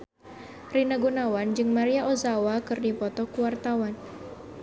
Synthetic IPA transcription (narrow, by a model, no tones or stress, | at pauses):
rinaɡunawand͡ʒɨŋmaɾiaʔozawakɨrdipɔt̪ɔkuwart̪awan